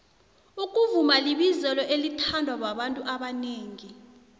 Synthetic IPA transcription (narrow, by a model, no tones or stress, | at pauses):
uk̬ʼuvumaliɓizɛlɔʔelitʰandʱwak̬waɓantʼuʔaɓaneːŋi